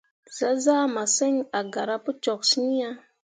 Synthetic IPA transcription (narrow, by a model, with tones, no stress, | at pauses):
za˦za˦ma˨se˦ŋa˨ɡa˨ɾa˦pu˦t͡ʃo˨ksi˦ni˦ja˦